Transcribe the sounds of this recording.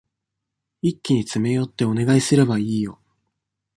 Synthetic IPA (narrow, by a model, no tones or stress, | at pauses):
ikʲːiɲ̟it͡sɨme̞jo̞t̪ːe̞o̞ne̞ɡaisɨɾe̞baiːjo̞